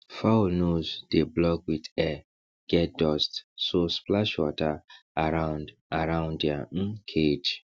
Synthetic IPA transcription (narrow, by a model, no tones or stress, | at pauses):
fanozdeblɔkwidɛ | ɡ̥ɛt̚dɔstsosplaʃwɔtaaɾãʊ̃nd | aɾãʊ̃ndjaŋ̩kʰed͡ʒ